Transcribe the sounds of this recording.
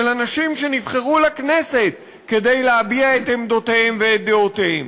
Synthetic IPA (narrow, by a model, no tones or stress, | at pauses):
elanaʃimʃe̞nivχeʁulaknese̞t̚ | ke̞dejleabiaet̪emd̪o̞teemveːt̚d̪eoteem